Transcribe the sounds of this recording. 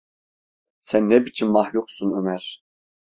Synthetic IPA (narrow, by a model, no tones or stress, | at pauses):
sænːɛbit͡ʃʰinmahluksunømæɾ̥